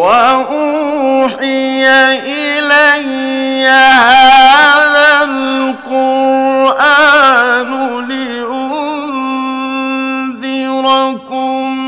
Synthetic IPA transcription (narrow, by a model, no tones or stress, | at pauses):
waʔu | ħɪjaʔɪlajː | ahaðalqʊɾʔa | nʊlɪ | ʔʊ | n | ðɪɾɑkʊm